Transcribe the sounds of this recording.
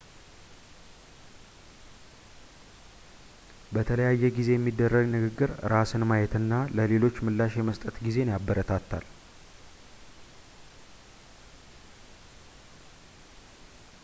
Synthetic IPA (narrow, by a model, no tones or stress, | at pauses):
bət̪ʰələjajːɛɡize̞jɛmːid̪ːərːəɡnɨɡɨɡːɨɾɾasɨnmajɛt̪ɨnːaləle̞lo̞t͡ʃːmɨlːaʃjɛməst̪ʼət̪ɡize̞njabːəɾət̪ʰat̪ʰːa̰l